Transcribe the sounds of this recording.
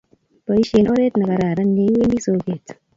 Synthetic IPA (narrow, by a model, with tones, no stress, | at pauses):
tɔ˨i˦ʃe˨nɔ˦ɾɛ˦tna˨ka˨ɾa˨ɾa˦nɡe˨˦we˦ndi˦so˨ɡe˨t